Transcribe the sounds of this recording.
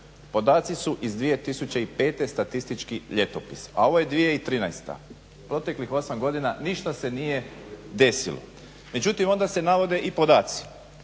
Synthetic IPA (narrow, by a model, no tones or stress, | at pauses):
po̞d̪aːt̪sisuʔizd̪ʋije̞t̪isut͡ɕeipe̞ːt̪e̞st̪at̪ist̪it͡ʃkiʎe̞t̪o̞pisa̰o̞ʋoje̞d̪ʋijeit̪ɾiːnajst̪a̰ | pɾo̞t̪e̞klixo̞samɡo̞d̪inaniʃt̪ase̞nije̞d̪e̞silo̰ | me̞d͡ʑut̪imo̞nd̪ase̞naʋo̞d̪e̞ʔipo̞d̪aːt̪si̥